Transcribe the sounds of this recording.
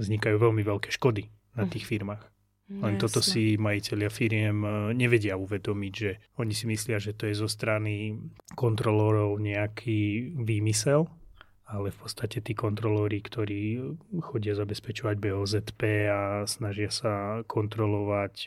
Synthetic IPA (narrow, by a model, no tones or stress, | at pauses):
zɲikajuːʋɛlmiʋɛlkɛːʃkɔd̪i | nat̪iːxfiɾmaːx | lɛnt̪ɔt̪ɔsimajicɛʎɪafiɾɪɛmɲɛʋɛɟɪauʋɛd̪ɔmiɟʒɛɔɲisimislɪaʒɛt̪ɔjɛzɔst̪ɾanikɔnt̪ɾɔlɔɾɔʊɲɛakʰiːʋiːmisɛl | alɛfpɔt̪st̪acɛt̪iːkɔnt̪ɾɔlɔɾikt̪ɔɾiːxɔɟɪazabɛspɛt͡ʃɔʋaɟbɛɔːzɛt̪pɛːasnaʒɪasakʰɔnt̪ɾɔlɔʋac